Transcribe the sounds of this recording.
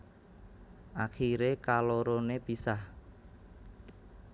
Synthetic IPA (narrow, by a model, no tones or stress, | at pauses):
ʔakiɾekaloɾonepisah